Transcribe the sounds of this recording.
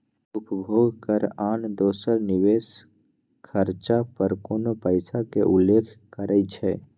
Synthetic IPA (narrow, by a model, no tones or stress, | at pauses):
ʊpəbʱoːɡkəɾaːnd̪oːsəɾniʋeːs | kʰəɾt͡ʃapəɾkoːnopəjsakeʔulːekʰkəɾʔəɪt͡ʃʰɛ